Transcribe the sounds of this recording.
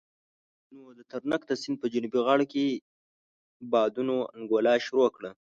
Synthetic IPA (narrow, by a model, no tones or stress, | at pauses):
nod̪ət̪aɾnəkt̪əsɪnd̪̚pəd͡ʒunubiɣɑɽke | bɑd̪unoa̰nɡolɑʃʊɾokɽə